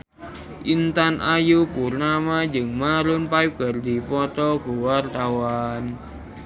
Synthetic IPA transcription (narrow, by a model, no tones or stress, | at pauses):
ʔint̪anʔajupurnamad͡ʒəŋmaɾʊnpaip̚ɡ̥ə̤rd̪i̤pɔt̪ɔɡuwart̪awan